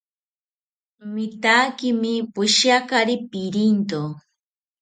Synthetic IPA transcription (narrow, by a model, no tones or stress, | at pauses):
mɪt̪akɪmɪpʊʃakaɾipiɾint̪o